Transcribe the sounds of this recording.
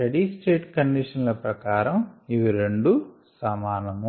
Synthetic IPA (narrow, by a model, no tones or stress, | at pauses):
ɐɽiːsʈeːʈkɐɳɖiʂɐnlɐpɾɐkaːɾɐmiʋiɾeɳɖu | sɐmaːnɐmu